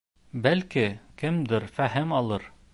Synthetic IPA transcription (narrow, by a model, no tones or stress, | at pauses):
bælkikɘmd̪ɘɾfæɦɘmɑlˠɤɾ